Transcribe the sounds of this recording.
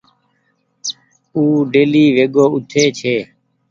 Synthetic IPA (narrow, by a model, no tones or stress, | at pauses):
uːɖeːliːʋeːɡoːʔʊt̪ʰeːt͡ʃʰeː